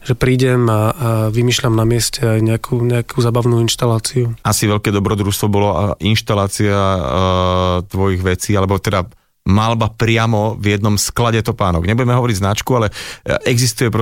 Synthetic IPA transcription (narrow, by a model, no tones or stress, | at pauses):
ʒɛpɾiːɟɛmaʋimiːʃlamnamɪɛscɛajɲɛakʰuɲɛakʰuzaːbaʋnuːinʃt̪alaːt͡siuasiʋɛʎkɛːd̪ɔbɾɔd̪ɾuʃst̪ʋɔbɔlɔʔinʃt̪alaːt͡sia | t̪ʋɔjiɣʋɛt͡siːalɛbɔt̪ɛd̪a | malbapɾɪamɔvjɛd̪nɔmsklaɟɛt̪ɔpaːnɔɡɲɛbuɟɛmɛɦɔʋɔɾiɟznat͡ʃkualɛʔɛɡzist̪ujɛpɾ